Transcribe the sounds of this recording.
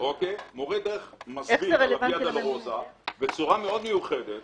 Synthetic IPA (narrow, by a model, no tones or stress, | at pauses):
okejmoʁed̪eʁeχmazebieʁelaiadalʁozabet͡suʁameo̞d̪mejuχed̪et̪